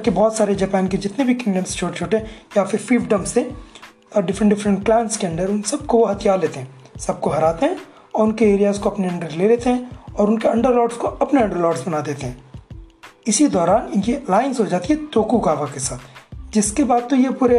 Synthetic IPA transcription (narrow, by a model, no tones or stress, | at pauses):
kebɔːt̪saːɾed͡ʒɛːpɛːnked͡ʒɪt̪nebʱikɪ̃ŋɖə̃mst͡ʃʰoːʈet͡ʃʰoːʈeɦɛ̃jafɪɾfiːfɖɐ̃mse | ɔːɾɖɪfɾə̃ɳʈɖɪfɾə̃ɳʈ̚klɛ̃ːnskeɐ̃nd̪əɾʊnsɐb̚koʋoɦɐt̪ʰijaːɾleːt̪eɦɛ̃ː | sɐb̚koɦɐɾaːt̪eɦɛ̃ | ɔːɾʊnkeeːɾijazkoɐpneɐ̃ɳɖəɾleːleːt̪eɦɛ̃ɔːɾʊnkeɐ̃ɳɖəɾlɔːɖskoɐpneɐ̃ɳɖəɾlɔːɖsbɐnad̪eːt̪eɦɛ̃ː | ɪsid̪ɔːɾaːnɪnkilaːɪnzɦod͡ʒaːt̪iɦɛt̪oːkuɡaːʋakesaːt̪ʰd͡ʒɪskebaːd̪̚t̪ojepuːɾe